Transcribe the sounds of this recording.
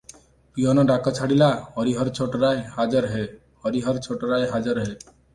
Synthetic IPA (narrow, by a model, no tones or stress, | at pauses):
piɔnɔɖakɔt͡ʃʰaɽilahɔɾiɦɔɾt͡ʃʰoʈɾajhad͡ʒɔɾɦe | hɔɾiɦɔɾt͡ʃʰoʈɔɾajɦad͡ʒɔɾɦe